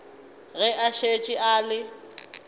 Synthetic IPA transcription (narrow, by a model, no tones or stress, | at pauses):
ɣɛʔaʃet͡ʃʼɪʔaːlɪ